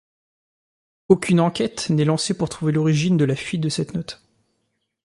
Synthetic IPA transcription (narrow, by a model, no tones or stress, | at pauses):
okʲynɑ̃kʲɛt̪nɛlɑ̃sepuʁt̪χuvelɔʁiʒind̪əlafɥit̪̚d̪əsɛt̪nɔt̪